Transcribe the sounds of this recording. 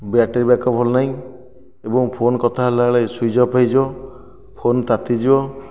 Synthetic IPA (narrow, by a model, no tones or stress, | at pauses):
baʈeɾbjakɔpʰɔlnaĩ | ebɔŋpʰonkɔt̪ʰaɦlaɭajsujd͡ʒɔpajd͡ʒiɔ | pʰont̪at̪id͡ʒibɔ